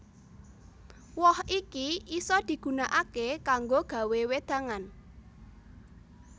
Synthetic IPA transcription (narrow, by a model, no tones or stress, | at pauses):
wɔhikiisɔd̪̥i̤ɡ̥ṳnaʔakekaŋɡoɡ̥ä̤wewed̪̥a̤ŋan